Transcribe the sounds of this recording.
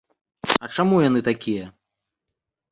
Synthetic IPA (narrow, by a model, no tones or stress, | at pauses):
ɐt͡ʂamujan̪ɨt̪akʲijɐ